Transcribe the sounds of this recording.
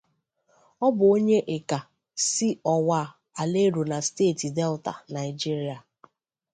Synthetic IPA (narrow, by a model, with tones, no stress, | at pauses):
ɔ˦bʊ˨o˦ɲe˦ʔe˨ka˨ | si˦ɔ˨wa˦˨ | a˨le˦ɾu˨na˨steː˦˨ti˨de˦lta̰˨na˨ɪ˨d͡ʒi˦ɾi˨a˨